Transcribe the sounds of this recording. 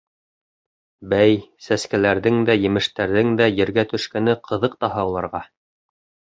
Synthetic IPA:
bæjsæskælæɾðɘŋd̪æjɘ̆mɘ̆ʃt̪æɾðɘŋd̪æjɘ̆ɾɡæt̪ɵ̆ʃkænɘqʰɤ̆ðɤq̚t̪ɑɦɑwlˠɑɾʁɑ

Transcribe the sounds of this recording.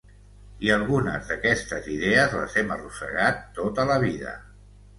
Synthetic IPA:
iəlˠɣunə̰zðəkɛst̪əziðeəzlə̰zɛmərusə̰ɣat̪ːot̪ələβiðə̰

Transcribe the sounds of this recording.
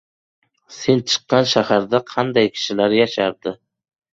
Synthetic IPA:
se̞nt͡ʃʰɨ̥qːɑnʃahaɾd̪aqʰɑnd̪ajkʲʰɪ̥ʃɪlaɾjaʃaɾd̪̥ɪ

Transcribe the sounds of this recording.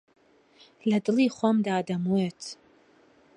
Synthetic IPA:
ladɨliχʷamdaːdamwetʰ

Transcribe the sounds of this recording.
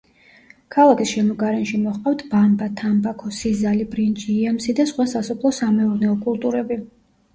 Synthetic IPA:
kʰalˠakʰisʃɛmɔɡaɾɛnʃimɔχqʼaft̪ʰbambat̪ʰambakʰɔsizalibɾint͡ʃʼiːɛmsid̪asχwasasɔpʰlˠɔsamɛuɾnɛɔkʼulˠt̪ʼuɾɛbi

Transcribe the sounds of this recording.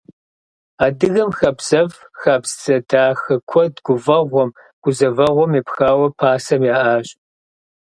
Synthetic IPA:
aːdɨɣɐmxɐbz̥ɐv | xaːbzt͡sɐdaːxɐkʷʰɔdɡʷʊvɐʁʷɔm | ɡ̥ʷʊzɐvɐʁʷɔmeːpxaːwɐpʰaːsɐmjaːʔaːɕ

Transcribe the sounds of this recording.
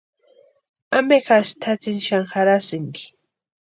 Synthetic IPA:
amexaʃt̪ʰat͡sɪnʃaɴxaɾasɪŋkɪ̥

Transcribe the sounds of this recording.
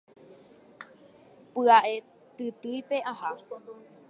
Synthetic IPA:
pɨaʔe | t̪ɨt̪ɨjpe̞ʔaha

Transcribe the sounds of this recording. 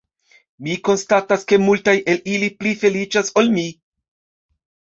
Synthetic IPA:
miko̞nstataske̞multajʔe̞liliplife̞lit͡ʃasolmi

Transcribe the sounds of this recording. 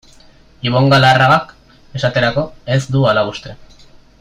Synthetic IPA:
iβ̞o̞ŋɡalaraɣak | e̞sat̪e̞ɾako̞e̞zd̪ualaβust̪e̞

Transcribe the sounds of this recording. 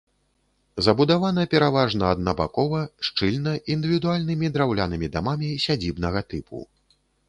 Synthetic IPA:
zɐbud̪avanɐpʲɛɾavaʐnɐɐd̪nɐba̰kɔvɐʂt͡ʂɨlʲnɐʔind̪ɨvʲid̪ualʲnɨmʲid̪ɾawlʲanɨmʲid̪amamʲisʲad͡zʲibnɐɣɐt̪ɨpʰṵ

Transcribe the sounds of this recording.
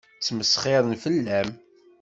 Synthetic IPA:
t͡sːməsχɪɾˤənfəlːæm

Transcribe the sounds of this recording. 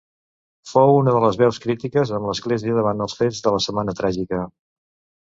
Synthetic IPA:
fowunəðələzβɛwskɾit̪ikəzəmləzɣleziəðəβand̪əlˠsfed͡zðələsəmanət̪ɾaʒikə

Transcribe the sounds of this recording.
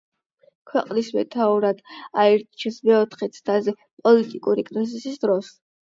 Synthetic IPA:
kʰwɛqʼlismɛ̰t̪ʰauɾad̪̥aɛɾt̪t͡ʃʰɛsmɛɔt̪ʰχɛt̪sʰt̪ʰazɛ | pʼɔlit̪ʼikʼuɾikʼɾizisisd̪ɾɔs

